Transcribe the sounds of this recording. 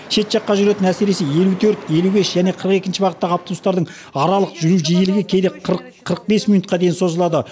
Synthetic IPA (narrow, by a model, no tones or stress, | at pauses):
ʃe̞t̪ʒɑqːɑʒʏɾe̞t̪ɪnæse̞ɾe̞se̞je̞lut̪ʰɵɾt̪e̞lube̞sʒæne̞qʰəɾəqe̞kʲɪnʃɪbɑʁət̪ːɑʁəɑp̚t̪olˠust̪ɑɾd̪əɴ | ɑɾɑlˠəqʒʏɾuʒejelɪɡʲekʲʰe̞lɪqqʰəɾəq̚be̞smijnut̪qɑd̪e̞jɪnso̞zəlˠɑd̪ə